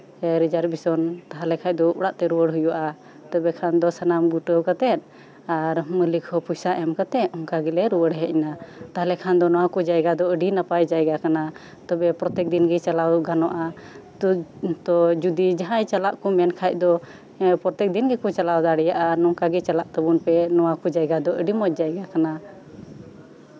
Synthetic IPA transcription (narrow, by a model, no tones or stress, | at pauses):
ɾid͡ʒaɾbisɔnt̪aɦalɛkʰac̚ˀd̪ɔuɽaʔt̪ɛɾuwəɽɦujuʔa | t̪ɔbɛkʰand̪ɔsanamɡɡuʈəwkat̪ɛt̪̚ˀ | aɾməlikhɔpujsaʔɛmkat̪ɛt̪̚hɔŋkaɡɛlɛɾuwəɽɦɛʔinat̪aɦalɛkʰand̪ɔnɔwakɔd͡ʒajɡad̪ɔəɖinapajd͡ʒajɡakana | t̪ɔbɛpɾɔt̪ɛk̚d̪inɡɛt͡ʃalawɡanɔʔa | t̪ɔd͡ʒud̪id͡ʒaɦãjt͡ʃalaʔkɔmɛnkʰac̚ˀd̪ɔ | pɾɔt̪ɛk̚d̪inɡɛkɔt͡ʃalawd̪aɽɛjaʔanɔŋkaɡɛt͡ʃalaʔt̪əbunpɛnɔwakɔd͡ʒajɡad̪ɔʔəɖimɔc̚d͡ʒajɡakana